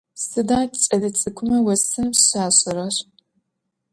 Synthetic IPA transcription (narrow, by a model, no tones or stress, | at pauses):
sɨdaːt͡ʃʼɐdɐt͡sʼɨkʷʰʊmɐwɐsɨmɕaːɕʼɪɾɐr